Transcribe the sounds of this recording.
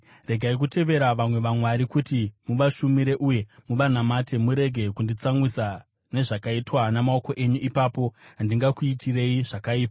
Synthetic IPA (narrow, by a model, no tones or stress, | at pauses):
re̞ɡʱaik̬ute̞ʋe̞ɾaʋamwe̞ʋamwaɾikutimuʋaʃumiɾe̞ʔuje̞muʋanamate̞muɾe̞ɡʱe̞kundit͡samwisa | ne̞ʐakaitwanamao̞ko̞ʔe̞ɲuipaːpo̞ɦandiŋɡakuitʰire̞iʐakaiːpa